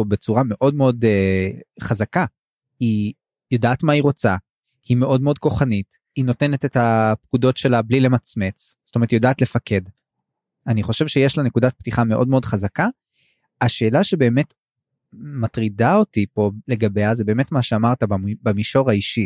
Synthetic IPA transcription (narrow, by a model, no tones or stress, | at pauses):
obet͡suʁame̞ʔo̞d̚meo̞deχazaka | i | jodaʔːtmaiʁo̞t͡sa | hime̞ʔo̞dmeod̚ko̞χanit | ino̞te̞netetapkudo̞tʃe̞lablile̞mat͡sme̞t͡sz̥otomeʁt̪jo̞daːtle̞fake̞d | aniχo̞ʃevʃejeʃlane̞kudat̚ptiχame̞ʔo̞dmeo̞dχazaka | aʃe̞ːlaʃe̞be̞ːme̞t | matʁidao̞tipo̞le̞ɡabeaze̞be̞ːmetmaʃeamaʁtabamiʃo̞ʁaiʃi